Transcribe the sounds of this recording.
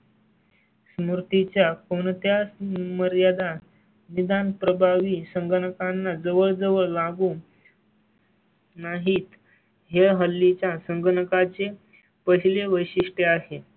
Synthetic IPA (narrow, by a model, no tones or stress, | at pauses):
smuɾt̪it͡ɕjakoɳ̃t̪jasməɾjad̪ʱa | nid̪anpɾəbʱaʋiːsəŋɡʱəɳəkanːad͡zəʋəɭd͡zəʋəɭlaɡuː | naɦiːt̪ | ɦeɦəlːit͡ɕjasəŋɡʱəɳəkat͡se | pəɦileʋəjɕiʂʈeaɦe